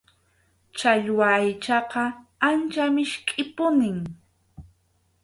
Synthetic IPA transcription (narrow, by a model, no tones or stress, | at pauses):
t͡ʃaʎwaːjt͡ʃɑqɑant͡ʃamɪʃkʼɪpʊnɪŋ